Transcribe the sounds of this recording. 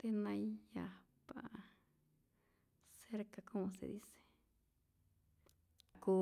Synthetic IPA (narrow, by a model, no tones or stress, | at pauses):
t̪enãjja̰pa̰ | seɾkakomõsḛd̪ise̥ | ku